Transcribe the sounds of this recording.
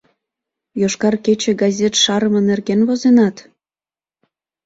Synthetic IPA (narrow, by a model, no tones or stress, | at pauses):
joʃkɑrket͡ɕĕɡɑzʲet̪ʃɑɾəmə̆nerɣenvozenɑt̪